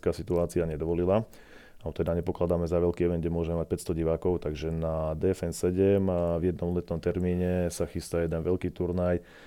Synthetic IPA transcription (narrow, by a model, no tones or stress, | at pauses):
kaːsit̪uaːt͡siaɲɛd̪ɔʋɔlila | aɔt̪ɛd̪aɲɛpɔklad̪aːmɛzaʋɛlkiːɛʋɛnd̪̚ɟɛmʊɔʒɛmɛmac̚pɛtst̪ɔɟiʋaːkɔʊt̪aɡʒɛnad̪ɛɛfɛnsɛɟɛmvjɛd̪nɔmlɛt̪nɔmt̪ɛɾmiːɲɛsaxist̪ajɛd̪ɛnʋɛʎkiːt̪uɾnaj